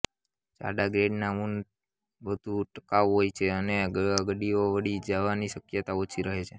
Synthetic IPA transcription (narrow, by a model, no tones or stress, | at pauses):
t͡ʃa̰ɖaɡɾeɖnamun | ʋəd̪ʱuʈəkaʋɦojt͡ʃʰeəneəɡɽioʋəɽid͡ʒaʋaniʃəkjət̪aot͡ʃʰiɾəɦet͡ʃʰe